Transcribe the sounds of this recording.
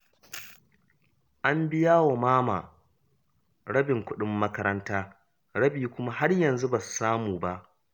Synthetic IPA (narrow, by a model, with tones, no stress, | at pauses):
ʔa˦mbɪ˦jaː˦wa˨maː˦maː˨ | ɽɐ˦bɪ˨ŋkʷʊ˦ɗɪ˦mːɐ˦kɐ˦ɾɐ˦ntaː˦ | ɽɐ˦biː˨kʷʊ˦ma˦ɦa˦rjɐ˨nzu˦bɐ˨su̥˨saː˦muː˨ba˦ʔ